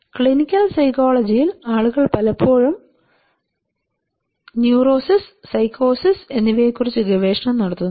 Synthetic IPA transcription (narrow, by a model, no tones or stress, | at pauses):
kɭinikʲːɐlsɐjkoːɭɐd͡ʑijilaːɭuɣɐɭpɐlɐpʰːo̞ːɻum | njuːro̞ːsissɐjkːo̞ːsise̞nːiʋɐjekːurit͡ɕːuɡɐʋe̞ːʂɐɳɐmnɐɽɐt̪ːunː